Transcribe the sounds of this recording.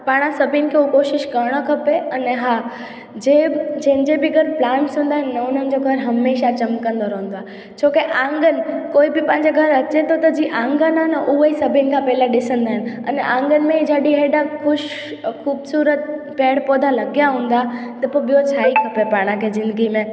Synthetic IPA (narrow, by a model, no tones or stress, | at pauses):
paːɽ̃ãsɐbʱɪnɪ̆kʰeukoːʃɪʃkɐɾɽ̃okʰɐpeɐnɛɦaː | d͡ʑeːd͡ʑɐ̃ɦɪ̃nd͡ʑebɪɡʱɐɾplaːmsɦũːn̆d̪aːɦɪnːɐʊn̤ənɪ̆d͡ʑoɡʱɐɾɦɐmeːʃat͡ɕɐmkə̃nd̪oɾɐɦʊ̃n̆d̪oaː | t͡ɕʰoːkeʔãːŋɡənɪ̆koːibɪpãːɪ̃ɲd͡ʑeɡʱɐɾɐt͡ɕet̪ʰot̪ɐd͡ʑiːʔãːŋɡənanəʔuəisɐbʱɪnɪ̆kʰãpɛːlaɗɪsə̃nd̪aːɦɪ̃nɐ̰nɛʔãːŋɡənɪ̆mẽd͡ʑaːɗiɦeːɖakʰʊʃ | kʰuːbsuːɾət̪̚pɛːɽpoːd̪ʱãlɐɡijaɦũːnd̪a | t̪ɐpoɓijot͡ɕʰaːikʰɐpepaːɽ̃ãkʰezɪ̃nd̪ɡimẽ